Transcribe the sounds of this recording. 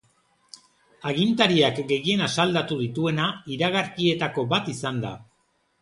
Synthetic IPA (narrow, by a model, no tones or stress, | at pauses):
aɣint̪aɾiakɡe̞ɣie̞nasald̪at̪uð̞it̪ue̞naiɾaɣaɾkie̞t̪ako̞bat̪isand̪a̰